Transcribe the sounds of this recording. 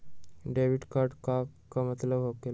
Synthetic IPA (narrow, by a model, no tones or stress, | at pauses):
ɖeʋiɖkaɾɖkakamət̪ləbʱɦokel